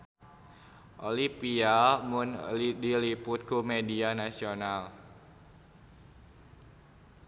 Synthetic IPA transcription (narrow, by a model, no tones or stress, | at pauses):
ʔolipiamʊndilipʊt̪̚komedianasional